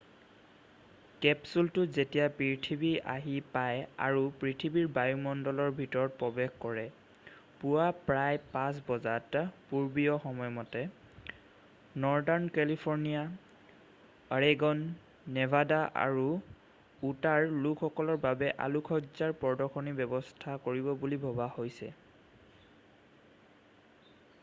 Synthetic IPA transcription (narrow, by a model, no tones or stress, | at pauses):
kɛpsultʊzetijapɹitʰibiʔa̰ɦipaja̰ɹupɹitʰibiɹbajumɔndɔlɔɹbʱitɔɹɔt̚pɹɔbɛxkɔɹɛ | puwapɹajpãs̬bɔzatpuɹbijɔxɔmɔjmɔtɛ | nɔɹdɔnkɛlipʰɔɹnija | ɹeɡɔnː | ɛvʱadaʔa̰ɹu | utaɹlukʰxɔkɔlɔɹbabɛʔa̰lukʰɔzaɹpɔɹdɔkʰɔnibɛbɔstʰakoɹibɔbulibʱɔbahojsɛ̰